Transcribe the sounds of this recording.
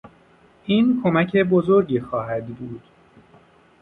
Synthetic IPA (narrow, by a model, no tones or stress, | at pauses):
ʔiːnkʰo̞mæcʰe̞bozo̞ɾɟiːxɒːɦæd̪buːd̪̥